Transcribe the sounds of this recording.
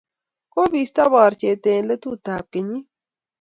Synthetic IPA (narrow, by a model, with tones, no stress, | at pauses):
ko˦biː˧st̪a˦baː˨ɾt͡ʃeː˨t̪ẽː˨lə˦t̪u˦t̪aː˨p̚keɲi˦